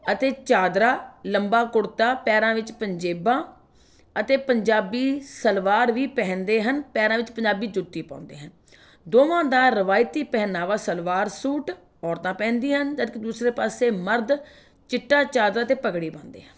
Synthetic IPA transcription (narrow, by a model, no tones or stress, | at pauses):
ət̪eːt͡ʃaːd̪ɾaːləmbaːkʊɽt̪aːpɛːɾãːʋɪt͡ʃpəɲd͡ʒeːbãː | ət̪eːpəɲd͡ʒaːbiːsəlʋaːɾʋiːpɛ̃ːnd̪eːɦənpɛːɾãːʋɪt͡ʃpəɲd͡ʒaːbiːd͡ʒʊt̪ːiːpã̰ːnd̪ḛːɦən | d̪oːʋãːd̪aːɾəʋaːɪt̪iːpɛːnaːʋaːsəlʋaːɾsuːʈ | ɔːɾt̪ãːpɛ̃ːnd̪iːɦənd͡ʒət̪kːd̪uːsɾeːpaːseːməɾd̪ | t͡ʃɪʈːaːt͡ʃaːd̪ɾaːət̪eːpəɡɽiːpãːnd̪ḛːɦən